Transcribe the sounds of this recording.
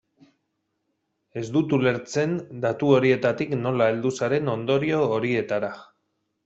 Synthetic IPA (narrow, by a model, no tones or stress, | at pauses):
e̞zd̪ut̪ule̞ɾt͡se̞nd̪at̪uo̞ɾie̞t̪at̪ikno̞lae̞ld̪usaɾe̞no̞nd̪o̞ɾio̞ːɾie̞t̪aɾa